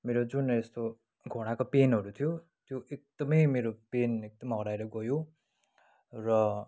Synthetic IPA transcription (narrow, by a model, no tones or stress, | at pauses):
meɾod͡zunest̪o | ɡʱoɽ̃akopenɦʌɾut̪ʰijo | t̪joʔek̚d̪ʌmʌjmeɾopenek̚d̪ʌmɦʌɾaeɾʌɡʌjo | rʌ